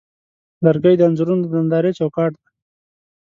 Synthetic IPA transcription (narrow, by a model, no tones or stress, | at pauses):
laɾɡajd̪əanzuɾund̪əd̪and̪ɑːɾet͡ʃawkɑːʈ̚d̪ḁ